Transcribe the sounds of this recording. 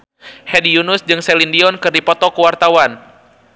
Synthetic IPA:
hɛdijunʊsd͡ʒɨŋsɛlindiɔnkɨrdipɔt̪ɔkəwart̪awan

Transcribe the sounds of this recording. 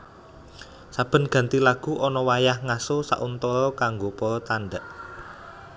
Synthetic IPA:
sab̥ə̤nɡ̥ä̤nt̪ilaɡ̥ṳʔɔnɔwajahŋasosa̰ʔunt̪ɔɾɔkaŋɡopɔɾɔt̪anɖaʔ

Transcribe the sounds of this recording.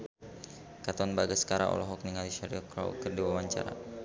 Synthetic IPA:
kat̪ɔnbaɡasə̥kaɾaʔɔ̰lɔɦɔk̚niŋaliʃaɾiɔkɾa̰ṵkərdiwawaɲt͡ʃa̰ɾa̰

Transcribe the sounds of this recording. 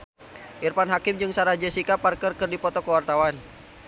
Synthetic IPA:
ʔirpanɦakɪmd͡ʒɨŋsaɾad͡ʒəsikapːarkərkərdipɔt̪ɔkəwart̪awan

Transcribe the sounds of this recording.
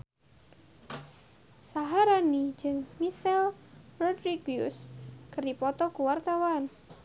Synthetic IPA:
saɦaɾani̥d͡ʒɨŋmisɛlrɔdɾiɡjṵskərdipɔt̪ɔkuwart̪awan

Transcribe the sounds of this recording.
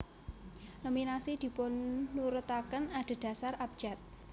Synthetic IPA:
nominasid̪̥i̤pʊnːuɾʊt̪akənad̪̥e̤d̪̥ä̤sarab̥̚d͡ʒ̥at̪̚

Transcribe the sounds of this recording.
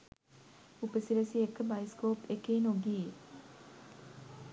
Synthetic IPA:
upəsiɾəsiekəbajskoːpekeːnoɡie

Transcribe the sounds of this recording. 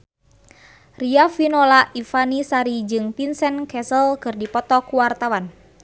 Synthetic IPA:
riafinolaʔifanisaɾid͡ʒɨŋpinsɛnkɛsəlkɨrdipɔt̪ɔkuwart̪awan

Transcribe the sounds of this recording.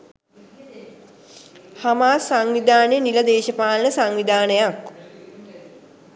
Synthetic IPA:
hamaːsaŋʋid̪aːnəjəniləd̪eːʃəpaːlnəsaŋʋid̪aːnəjak

